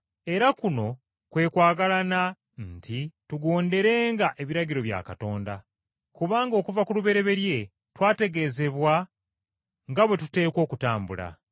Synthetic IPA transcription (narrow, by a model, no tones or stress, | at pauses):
e̞ɾakuno̞ | kwe̞ːkwaːɡalana | ntʰituɡo̞ːnde̞ɾe̞ːŋɡaʔe̞βiɾaɟiɾo̞βja̰ːkato̞ːnda | kuβaːŋɡo̞ːkuvakuluβe̞ɾe̞βe̞ɾje̞ | twaːte̞ɡe̞ːze̞βwa | ŋɡaβwe̞tute̞ːko̞ːkutaːmbula̰